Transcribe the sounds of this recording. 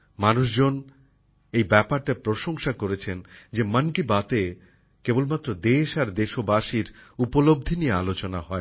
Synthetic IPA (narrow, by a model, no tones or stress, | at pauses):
manuʃd͡ʑon | ejbɛpaɾʈapɾoʃoŋʃakoɾet͡ɕʰend͡ʑemənkibat̪e | kebolmat̪ːɾod̪eʃaɾd̪eʃobaʃiɾupolob̚d̪ʱinijealot͡ɕonaɦɔe